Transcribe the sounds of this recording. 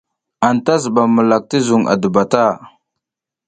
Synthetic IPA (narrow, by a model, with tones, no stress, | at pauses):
a˨nta˦zə˨ɓa˨mə˨la˨k̚tə˦zu˨ŋa̰˨də˨ba˨ta˦˨